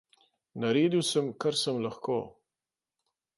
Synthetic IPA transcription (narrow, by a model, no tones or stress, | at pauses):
naɾeːd̪iwsəmkaɾsəmlaxkoː